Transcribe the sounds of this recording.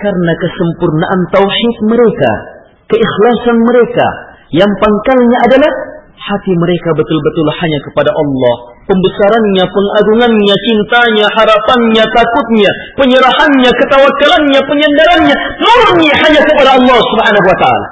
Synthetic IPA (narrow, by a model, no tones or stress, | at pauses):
karnakəsəmpurnaʔant̪awħɪt̪̚məɾeka̰ | kəɪxlasanməɾeka̰jaŋpaŋkalɲaʔadalah | hat̪iməɾekabət̪ʊlbət̪ʊlhaɲakə̥padaʔɑlːɑh | pəmbəsaɾanɲapəŋaɡuŋanɲat͡ʃint̪aɲahaɾapanɲat̪akʊt̪̚ɲapəɲəɾahanɲakət̪awakːalanɲapəɲandaɾanɲaməɲihaɲakəpadaɑlːɑhsubħanaɦuwat̪aa̰ːla̰